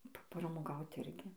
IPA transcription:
pɐprɐmoːˈɡɐʊt ˈɪrʲɡʲɪ

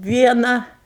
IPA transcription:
ˈʋʲiɛnɐ

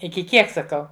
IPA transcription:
ɪkʲɪ ˈkʲiɛk sɐˈkɐʊ

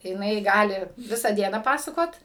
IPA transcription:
jɪˈnɐɪ ˈɡɑːlʲɪ ˈʋʲɪsɑː ˈdʲiɛnɑː ˈpɑːsɐkoːt

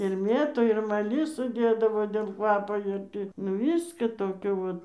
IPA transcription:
ɪr ˈmʲeːtuː ɪr mɐˈlʲɪsuː ˈdʲeːdɐʋoː dʲeːlˠ ˈkʋɑːpoː ɪr ˈtʲiː nʊ ˈʋʲɪskɐ ˈtoːkʲoː ʋɐt

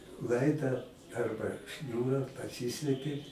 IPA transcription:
ˈlˠɐɪdɐ ˈɐrbɐ ˈʃʲnʲuːrɐ pɐˈsʲiːsʲlʲɛpʲɪ

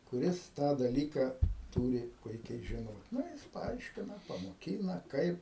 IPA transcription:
kʊˈrʲɪs ˈtɑː dɐˈlʲiːkɐ ˈtuːrʲɪ ˈpʊɪkʲɛɪ ʒʲɪˈnoːt ˈnɐ jɪs pɐˈɐɪʃʲkʲɪnɐ pɐmoːˈkʲiːnɐ ˈkɐɪp

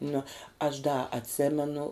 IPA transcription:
nʊ ɐʃ dɐ ɐtʲˈsʲeːmʲɛnʊ

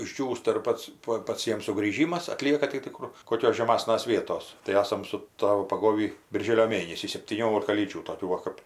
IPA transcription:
ɪʒʲˈd͡ʒʲuːstɐ ɪr ˈpɐts ˈpɐ ˈpɐts ˈjiɛm sʊɡrʲiːˈʒʲiːmɐs ɐˈtʲlʲiɛkɐ tɐɪ tʲɪ ˈkʊr koːˈkʲoːs ʒʲɛˈmɑːsnɐs ˈʋʲiɛtoːs tɐɪ ˈɑːsɐm sʊ ˈtɑːʋʊ pɐˈɡoːʋʲiː bʲɪrʲˈʒʲeːlʲoː ˈmʲeːnʲɛsʲiː sʲɛpʲtʲiːˈnʲoːlʲɪkɐ lʲiːˈd͡ʒʲuː toːˈkʲuː ˈʋɐ kɐp

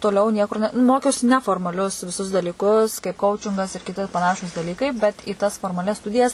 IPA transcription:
toːˈlʲɛʊ nʲiɛkʊr ˈnʲɛ ˈmoːkʲɛʊsʲɪ ˈnʲæːfoːrmɐˌlʲʊs ʋʲɪˈsʊs dɐlʲiːˈkʊs kɐɪp ˈkɐʊt͡ʃʲɪŋɡɐs mʲɛs ɪr kʲɪˈtʲɪ pɐˈnɑːʃuːs dɐˈlʲiːkɐɪ bʲɛt iː ˈtɐs foːrmɐˈlʲɛs ˈstʊdʲɪjɛs

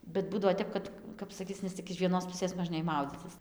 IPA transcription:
bʲɛt ˈbuːdɐʋoː ˈtʲɛp kɐt ˈkɐp sɐˈkʲiːt͡s nʲɛs ˈtʲɪk ɪʃ ˈʋʲiɛnoːs ˈpʊsʲeːs moːʒʲˈnʲeːj ˈmɐʊd͡zʲiːt͡sʲɪs

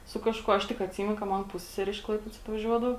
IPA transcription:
sʊ ˈkɑːʃkuɔ ˈɐʃ tʲɪk ɐtʲˈsʲiːmʲɛnʊ kɐ ˈmɐn ˈpʊsʲsʲɛsʲɛrʲɛ ɪʃ ˈklˠɐɪpʲeːdoːs ɐtʋɐˈʒʲuɔdɐʋoː

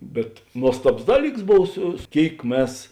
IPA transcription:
bʲɛt ˈnuɔstɐboːs ˈdɑːˌlʲiːks ˈboːw ˈsʊ ˈkʲeːɪk ˈmʲɛs

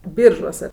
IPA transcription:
ˈbʲiːrʒuɔsʲɛ

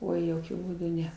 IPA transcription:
ˈoːɪ joːˈkʲʊ buːˈdʊ ˈnʲɛ

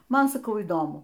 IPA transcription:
ˈmɐn sɐˈkɐʊ iːˈdoːmʊ

